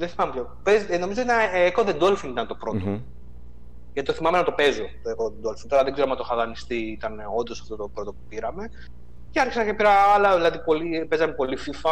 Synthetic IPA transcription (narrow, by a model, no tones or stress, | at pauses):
ðeθimɐmepjopezno̞mizot̪ineekoðend̪olfinit̪ɐnt̪o̞pɾo̞t̪o | jɐt̪it̪oθimɐmenɐt̪o̞pe̞zo̞t̪oekoðend̪olfint̪oɾɐðeɡze̞ɾɐmɐt̪oxɐðɐnist̪iit̪ɐneo̞nd̪osɐ̥ft̪ot̪opɾo̞t̪o̞pu̥piɾɐme̞ | ceɐɾçisɐncepiɾɐɐlɐðilɐðipo̞lipezɐmepo̞lififɐ